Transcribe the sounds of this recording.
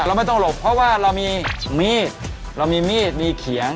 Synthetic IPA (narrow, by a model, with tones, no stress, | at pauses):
ɾa˧wma˥˩jt̪ɔ˥˩ŋlo˨˩k̚pʰːɾɔ˦˥waː˥˩ɾa˧wmiː˧miː˥˩t̪̚ | ɾa˧wmiː˧miː˥˩t̪̚miː˧kʰi˩˦əŋ